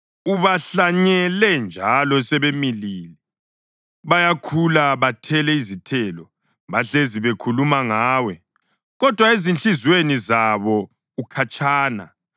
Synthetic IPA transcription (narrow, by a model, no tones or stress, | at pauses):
uβaɬaɲɛlɛnd͡ʒʱalɔsɛβemiliːlɛ | βajakʰulaβatʰɛlɛizitʰɛlɔ | βaɬeziβekʰulumaŋaːwɛ | ɣɔd̥ʱwaezint͡ɬizwenizaβɔ | ukʰat͡ʃʼʰaːna̰